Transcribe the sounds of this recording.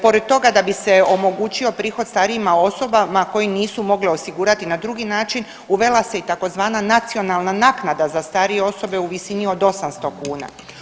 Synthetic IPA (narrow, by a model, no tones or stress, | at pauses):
po̞ɾed̪̚t̪o̞ɡad̪abise̞o̞mo̞ɡuːt͡ɕio̞pɾiːxo̞d̪̥st̪aːɾiimao̞so̞bamako̞jiniːsumo̞ɡlio̞siɡuːɾat̪inad̪ɾuɡinaːt͡ʃin | uʋe̞lase̞it̪ako̞zʋaːnanat̪sio̞nalˠnanaːknad̪azast̪aːɾije̞o̞so̞be̞uʋisinio̞d̪o̞samst̪okuːna̰